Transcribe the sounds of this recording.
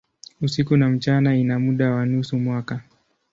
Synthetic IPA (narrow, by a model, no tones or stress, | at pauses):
usikunam̩t͡ʃanainamuɗawanusumwaka